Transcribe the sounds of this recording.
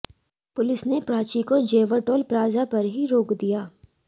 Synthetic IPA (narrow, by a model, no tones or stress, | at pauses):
pʊlɪsnepɾaːt͡ʃikod͡ʒeːʋəɾʈoːlpɾaːzapɐɾɦiɾoːkd̪ijaː